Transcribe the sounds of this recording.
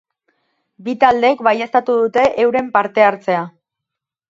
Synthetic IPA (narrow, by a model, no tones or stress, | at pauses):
bit̪ald̪e̞kbajest̪at̪uðut̪e̞ʔewɾe̞mpaɾt̪e̞aɾt͡se̞a